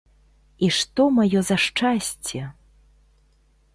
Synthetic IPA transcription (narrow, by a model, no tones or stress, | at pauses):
iʂt̪ɔmajɔzɐʂt͡ʂasʲt͡sʲɛ